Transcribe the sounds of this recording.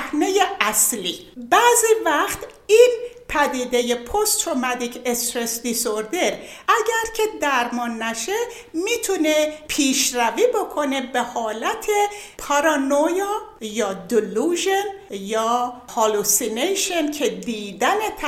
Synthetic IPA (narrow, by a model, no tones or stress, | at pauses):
hnejeʔæslibæːzivæxt̪ | inpʰæd̪iːd̪eje̞pʰost̪ɾomæd̪ikʰest̪ɾesd̪isoɾd̪e̞ɾ | ʔæɟæɾcʰe̞d̪æɾmɒːnːæʃe̞ | mit̪ʰune̞pʰiːʃɾæviːbokʰo̞ne̞behɒːlæt̪ʰe̞pʰɑɾɑnojɑjɒːd̪uluʒen | jɒːhɑlusinejʃencʰe̞d̪iːd̪æne̞t̪ʰ